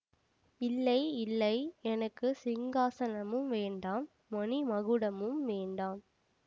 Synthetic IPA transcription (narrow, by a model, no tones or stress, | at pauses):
ɪlːɐɪɪlːɐɪɛnɐkːɯsɪŋɡaːsɐnɐmɯmʋeːɳɖaːmːɔnimɐɣɯɽɐmɯmʋeːɳɖaːm